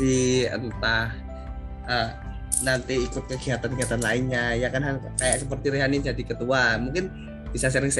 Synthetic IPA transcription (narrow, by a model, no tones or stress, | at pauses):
iə̰nt̪ah | ə | nant̪iːkʊt̪̚kəɡiɦat̪anɡiɦat̪anlaɪnɲajakanɦalkajaʔsəpərt̪iɾeɦanɪnd͡ʒadikət̪uamuŋkɪn | b̥isas̬əɾɪŋs